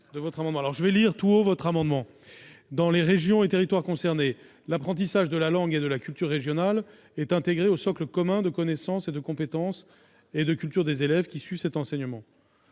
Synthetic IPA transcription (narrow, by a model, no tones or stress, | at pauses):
d̪əvɔt̪χamɑ̃d̪mɑ̃alɔʁʒəvɛliʁt̪uovɔt̪χamɑ̃d̪mɑ̃ | d̪ɑ̃leʁeʒjɔ̃et̪eʁit̪waʁkɔ̃sɛʁne | lapχɑ̃t̪̬isaʒd̪əlalɑ̃ɡed̪əlakʲylt̪yʁːeʒjɔnal | ɛt̪ɛ̃t̪eɡʁeosɔkləkɔmɛ̃d̪əkɔnɛsɑ̃sed̪əkɔ̃pet̪ɑ̃s | ed̪əkʲylt̪yʁd̪ezelɛvkʲisɥivsɛt̪ɑ̃sɛɲəmɑ̃